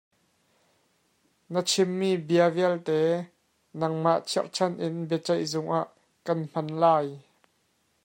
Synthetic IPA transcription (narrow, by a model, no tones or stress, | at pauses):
nət͡sʰɪmːiːbiɐviəlt̪ɛː | nɐŋmaʔt͡sʰḭrt͡sʰɐnʔɪnbɛt͡sɐjzʊŋʔaʔ | kɐnm̥ɐnlaːj